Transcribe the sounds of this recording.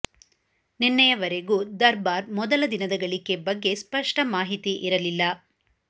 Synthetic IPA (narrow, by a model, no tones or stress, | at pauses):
ninːɐjɐʋɐɾeɡud̪ɐɾbaːɾmɔd̪ɐlɐd̪inɐd̪ɐɡɐɭikːe̞bɐɡːe̞spɐʂʈɐmaːɦit̪iʔiɾɐlilːɐ